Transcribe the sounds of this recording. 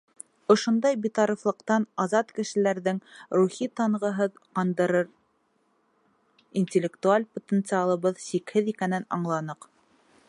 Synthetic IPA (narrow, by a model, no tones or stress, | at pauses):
ŏʃŏnd̪ɑjbit̪ɑɾiflˠɤ̆qt̪ɑnɑzɑt̪kɘ̆ʃɘ̆læɾðɘŋɾuχit̪ɑɴʁɤ̆ɦɤðqɑnd̪ɤ̆ɾɤɾ | inʲtʲɪlʲːɪkt̪ualʲpot̪ʲent̪sɨalˠɤ̆βɤðsikhɘðikænɘnɑ̰ɴlˠɑnɤq